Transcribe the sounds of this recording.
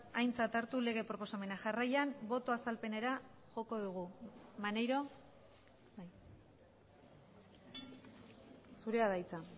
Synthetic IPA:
ajnt͡sat̪aɾt̪ule̞ɣ̞e̞pɾo̞po̞same̞naʝarajambo̞t̪o̞asalpe̞neɾaʝo̞ko̞ðuɣ̞umane̞jɾo̞ | j | suɾe̞aðajt͡sa

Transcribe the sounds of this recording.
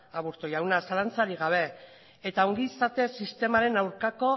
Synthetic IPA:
aβuɾt̪ojawnasalant͡saɾiɣaβ̞e̞ | et̪aoŋɡiːsat̪e̞sist̪e̞maɾe̞nawɾkako̞

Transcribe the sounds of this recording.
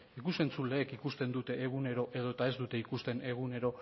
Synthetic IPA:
ikuse̞nt͡sule̞ːkikust̪e̞nd̪ut̪e̞ːɣune̞ɾo̞ʔe̞ð̞o̞et̪ae̞zd̪ut̪e̞ikust̪e̞ne̞ɣune̞ɾo̞

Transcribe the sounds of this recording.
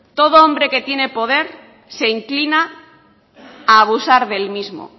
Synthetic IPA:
t̪o̞ð̞oombɾe̞ke̞t̪je̞ne̞po̞ð̞e̞ɾ | se̞iŋklina | β̞usaɾðe̞lmizmo̰

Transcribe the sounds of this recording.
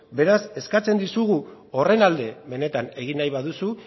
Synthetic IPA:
be̞ɾase̞skat͡se̞nd̪isuɣ̞u | o̞re̞nald̪e̞βe̞ne̞t̪ane̞ɣ̞inːajβaðusu

